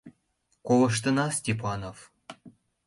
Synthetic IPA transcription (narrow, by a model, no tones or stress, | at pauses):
kolɤ̆ʃ̬t̪ɤ̆nɑsʲtʲip̬ɑnof